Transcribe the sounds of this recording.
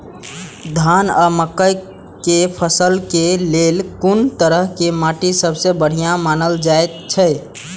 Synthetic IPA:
d̪ʱanaməkːəj | kepʰəsəlkelelkunt̪əɾəɦkemaʈisəbʱsẽbəɽ̤ijãmanəld͡ʒaet̪̚t͡ʃʰəɪ

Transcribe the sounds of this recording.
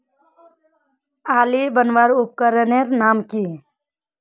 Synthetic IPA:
aːlibənʋaɾʊp̚kəɾəneɾnaːmki

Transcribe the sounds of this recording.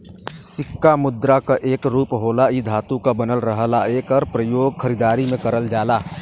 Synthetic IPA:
sikːamud̪ɾakəʔekɾupɦolaid̪ʱat̪ukəbənəlɾəɦəlaekəɾpɾəjoɡkʰəɾid̪aɾimekəɾəld͡ʒala

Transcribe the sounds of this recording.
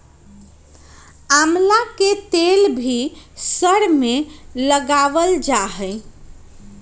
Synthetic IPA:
amlaket̪elbʱisəɾmeləɡaʋəld͡ʒaɦɛ

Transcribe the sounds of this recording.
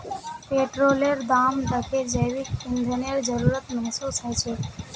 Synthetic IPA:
peʈɾoleɾd̪amɖ̪əkʰed͡ʒəjʋikːɪnd̪ʱənijəɾd͡ʒəɾuɾət̪mɛɦsusɦəjt͡ʃʰe

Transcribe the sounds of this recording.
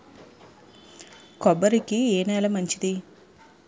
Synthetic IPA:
kɔbɐɾikieːnɛːlɐmɐɲt͡ʃid̪i

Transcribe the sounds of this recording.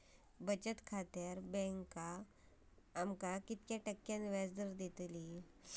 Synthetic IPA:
bət͡ɕət̪kʰat̪aɾbɛ̃ŋkaː | mkakit̪kjaʈəkːjãnʋad͡zd̪əɾd̪et̪li

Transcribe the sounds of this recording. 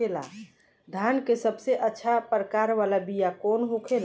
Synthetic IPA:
ela̰ | d̪ʱankesəbseʔətːʃʰapəɾəkaɾʋalabijakonɦokʰel

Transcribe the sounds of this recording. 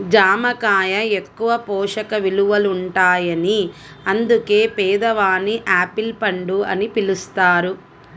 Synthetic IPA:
d͡ʒaːmɐkaːjɐe̞kːuʋɐpɔːʂɐkɐʋiluʋɐluɳʈaːjɐni | ɐnd̪uke̞ːpɛːd̪ɐʋaːniʔaːpilpɐɳɖuɐ̰nipilust̪aːɾu

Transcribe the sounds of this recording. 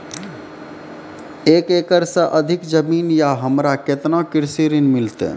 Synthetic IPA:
eːkeːkəɾsəʔəd̪ʱɪkd͡ʒəmiːnjaɦəmɾaket̪nãkɪɾsiːɾinmɪlt̪ḛ

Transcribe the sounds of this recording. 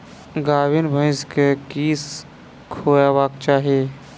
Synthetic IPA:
ɡaːwinbʱə̃ɪ̃skekiːs | kʰoːjabaːkt͡ʃaːɦie

